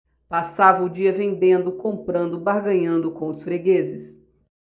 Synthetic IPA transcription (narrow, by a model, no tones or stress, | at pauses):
pasavɐʊd͡ʒiɐvẽnd̪ẽnd̪ʊkõmpɾɐ̃nd̪ʊbaɾɡɐ̃ɲɐ̃nd̪ʊkõw̃ʊsfɾeɡezɪs